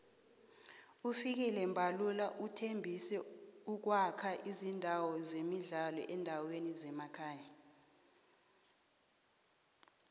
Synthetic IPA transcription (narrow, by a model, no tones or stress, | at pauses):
ufik̬ɛlɛmbʱalulaʔutʰembʱisɛuk̬wakʰaʔizindʱawɔzemiɮalɔ̰ʔɛndʱawenizɛmakʰaːja